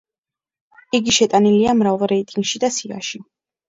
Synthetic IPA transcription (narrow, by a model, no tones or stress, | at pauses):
iɡiʃɛt̪ʼaniliamɾavlˠɾɛit̪ʼiŋɡʃid̪asia̰ʃi